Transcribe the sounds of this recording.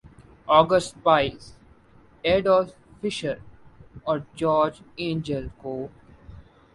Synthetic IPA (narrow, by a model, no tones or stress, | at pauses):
ɔːɡəsʈ̚paɪlz | ɛɖɔːl | fɪʃəɾɔːɾd͡ʒɔːɾd͡ʒẽːnd͡ʒəlkoː